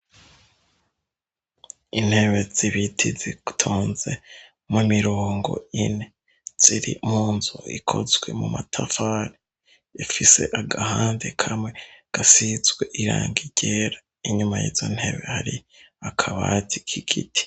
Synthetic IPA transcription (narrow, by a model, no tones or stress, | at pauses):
in̥he̞βe̞z̥iβitʰizitʰuːnze̞ | mumiɾoːŋɡo̞̰ine̞ | z̥iɾimuːnzuḭkʰo̞̰zɡwe̞mumatʰafaɾi | jafise̞̰ʔaɡahaːnde̞kʰamwe̞ɡ̥asizɡwe̞ʔiɾa̰ːŋɡiɟ̥eɾa | iɲumajḭːzo̞n̥he̞βe̞haɾi | akʰaβaːtʰikʰiɡitʰi̥